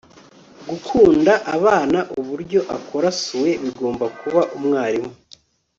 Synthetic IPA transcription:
ɡukʰuːndaʔaβaːnaʔuβuɾɟo̞ʔakʰo̞ɾasuwe̞βiɡo̞ːmbakuβaʔumŋaːɾimu

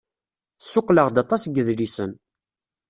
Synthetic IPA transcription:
sːʊqːləʁd̪ɑt̪ˤɑsɡːəðlisən

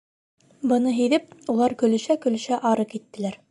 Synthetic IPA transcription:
bɤ̆nɤɦiðɘp̚ulˠɑɾkɵ̆lɵ̆ʃækɵ̆lɵ̆ɕæʔɑɾɤkit̪ːɘ̆læɾ

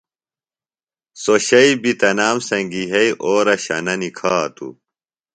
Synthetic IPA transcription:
soɕɐibit̪ɐnaːmsɐŋɡiɦɐiʔoːɾɐɕɐ̰nɐnikʰaːt̪ṵ

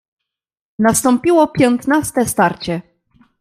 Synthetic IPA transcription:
nast̪ɔmpʲiwɔpʲjɔnt̪nast̪ɛst̪aɾt͡ɕɛ

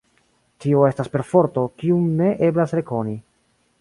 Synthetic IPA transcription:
tio̞e̞staspe̞ɾfo̞ɾto̞kiumne̞ʔe̞blasɾe̞ko̞ni

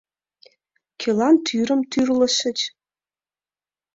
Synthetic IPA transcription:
kʲʰelɑnt̪ʰyɾə̆mt̪ʰyrlə̆ʃə̆t͡ɕ

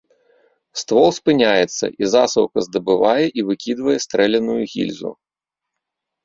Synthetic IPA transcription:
st̪vɔlˠspɨnʲajɛt̪sːɐ̰ʔizasɐwkɐzd̪ɐbɨvajɛʔivɨkʲid̪vɐjɛst̪ɾɛlʲɐnujuɣʲḭlʲzṵ

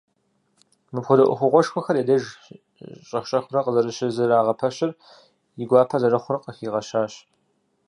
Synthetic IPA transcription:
mɨpxʷʊdɐʔʷʊ̰xʷʊʁʷɔʂxʷɔxɐɾeːdɐʒ | ɕʼɐxɕʼɐxʷʊɾɐqəzɐɾɨɕɪzɨraːʁɐpʰɐɕɐr | jɪɡʷɑːpʰɐzɐrɐχʷʊrɐqəxiːʁɐɕaːɕ

